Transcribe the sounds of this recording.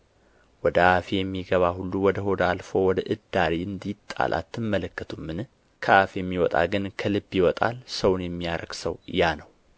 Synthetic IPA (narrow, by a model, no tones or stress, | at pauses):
wɔd̪əʔafijɛmːiɡəβahulːuwɔd̪əɦo̞d̪alfo̞wɔd̪əʔɨd̪ːaɾiɨnd̪it̪ʼːa̰lʔa̰t̪ʰːɨmːələkːət̪ʰumːɨn | kʰəʔafjɛmːiwɔt̪ʼa̰ɡɨnkʰəlɨbjiwɔt̪ʼa̰lsəwnjɛmːijaɾə̰ɡ̥səw̰janəw